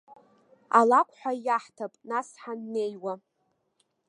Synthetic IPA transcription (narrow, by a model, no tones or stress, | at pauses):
a̰lakʷʰʼħʷᶣajaħtʰapʼnasħanːe̞jwa